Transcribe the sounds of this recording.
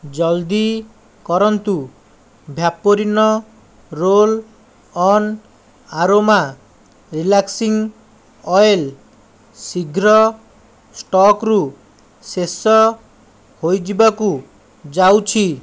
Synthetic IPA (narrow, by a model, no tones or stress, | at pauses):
d͡ʒɔld̪i | kɔɾɔnt̪u | bʱjapɔɾinɔ | ɾol | ɔn | aɾoma | ɾilaksiŋ | ɔjel | siɡʱɾɔ | sʈɔkɾu | sesɔ | hojd͡ʒibaku | d͡ʒawt͡ʃʰi